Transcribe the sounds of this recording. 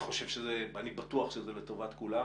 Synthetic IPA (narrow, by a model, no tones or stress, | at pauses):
χo̞ʃe̞vʃezebanibatuaχʃezelet̪o̞vat̪kula